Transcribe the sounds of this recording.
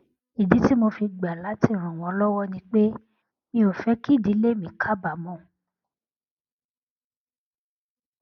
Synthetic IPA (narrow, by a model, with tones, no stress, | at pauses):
i˨di˨˦ti˦mo˧fi˧ɡ͡ba˨la˨˦ti˦˨ɾ̃ũ˨w̃ɔ̃˨˦lɔ˦wɔ˦nĩ˧k͡pe˦ | mĩ˧o˨fɛ˦ki˦˨di˨˦le˦˨mĩ˨kʰa˦ba˨mɔ̃˨˦˨